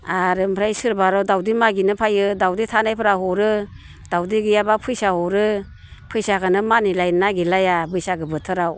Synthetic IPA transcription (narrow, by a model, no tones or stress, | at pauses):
aɾɯmpʰɾajsɯɾbaɾawdawdimaɡinɯpʰajɯdawditʰanajpʰɯɾaɦɔɾɯ | d̥awdiɡɯjabapʰɯjsahɔɾɯ | pʰɯjsakʰanɯmanilajnaɡilajabɯjsaɡɯbɯtʰɯɾaw